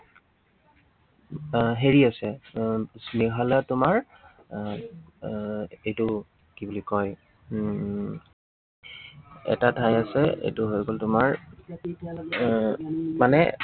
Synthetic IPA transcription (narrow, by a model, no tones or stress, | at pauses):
ɦeɹiasɛ | sniɦalatʊmaɹ | ejtʊ | kibulikɔj | ɛ̰tatʰajasɛḛjtʊɦojɡoltʊmaɹ | manɛ̰